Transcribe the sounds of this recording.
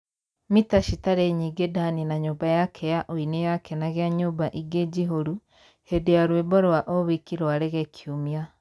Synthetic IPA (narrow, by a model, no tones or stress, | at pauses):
mitaʃitaɾeɲiːɡedaninaɲoːbajakʰɛjaʔoinejakʰɛnaɣeaɲoːbaʔiɡed͡ʑiɦoɾu | hedejaɾweβɔɾwaʔoβikiɾwaɾeɣɛkʰiomia